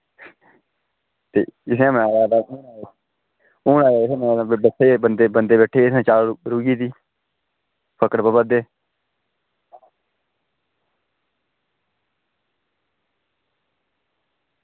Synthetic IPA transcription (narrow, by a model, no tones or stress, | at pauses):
t̪ḛːɪsẽːmənaːɾaːd̪aːʔuːnaː | uːnaːeɪsẽːməaːaːbeʈʰːeːbənd̪eːbənd̪eːbeːʈʰːeːɪsãːt͡ʃaːlɾuːɡiːt̪iː | pʰəkəɾpəbəd̪eː